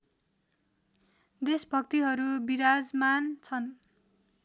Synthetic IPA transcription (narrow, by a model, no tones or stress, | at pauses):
d̪esbʱʌkt̪iɦʌɾubiɾad͡zmant͡sʰʌn